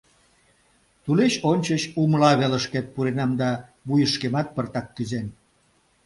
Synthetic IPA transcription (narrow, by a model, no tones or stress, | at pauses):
t̪uleɕonʲt͡ɕət͡ɕumlɑβeləʃket̪̚puɾenɑmd̪ɑβujəʃkemɑt̪̚pərt̪ɑkːyzen